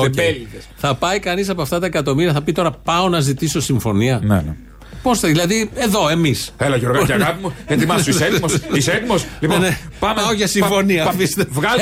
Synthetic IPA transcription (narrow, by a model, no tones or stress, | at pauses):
eelitesθɐpɐjkɐnisɐpoɐft̪ɐt̪ɐekɐt̪o̞miɾiɐθɐpit̪o̞ɾɐpɐo̞nɐzit̪isosiɱfo̞niɐnḛ | po̞sɐðilɐðie̞ðo̞e̞misθelɐʝoɾɣɐɐɐpimuðet̪imɐsemoisek̪mosliponepɐmɐoʝɐsĩfo̞niɐfist̪evɣɐ